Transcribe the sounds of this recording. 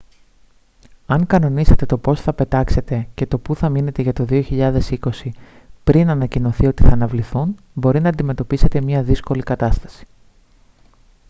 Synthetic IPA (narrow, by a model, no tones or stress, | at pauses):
ɐŋkɐno̞nise̞t̪e̞t̪o̞po̞sθɐpe̞t̪ɐkse̞t̪e̞ce̞t̪o̞puθɐmine̞t̪e̞ʝɐt̪o̞ðioçiʎɐðe̞siko̞si | pɾinɐnɐcino̞θio̞t̪iθɐːnɐvliθun | bo̞ɾinɐːnd̪ime̞t̪o̞pise̞t̪e̞mɲɐðisko̞likɐt̪ɐst̪ɐ̥si̥